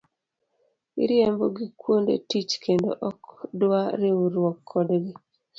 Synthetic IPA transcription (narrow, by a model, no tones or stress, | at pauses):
ḭɾjembɔɡikwondḛtit͡ʃkʰendo̰ʔɔkdwaɾeuɾwɔkʰːɔdɡi